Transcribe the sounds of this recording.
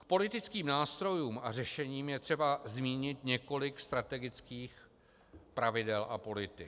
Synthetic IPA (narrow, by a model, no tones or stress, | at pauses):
kpo̞lɪt̪ɪt͡skiːmnaːst̪ɾo̞juːma̰rɛʃɛɲiːmjɛt̪r̝̥ɛbazmiːɲɪt̪ɲɛko̞lɪkst̪ɾat̪ɛɡɪt͡skiːx | pɾavɪdɛlʔa̰po̞lɪt̪ɪ